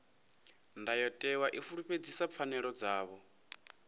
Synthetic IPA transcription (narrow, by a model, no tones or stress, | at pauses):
ndajɔtʼɛwaʔifuɺuɸed͡zisap̪fʰanɛɺɔd͡zaːβɔ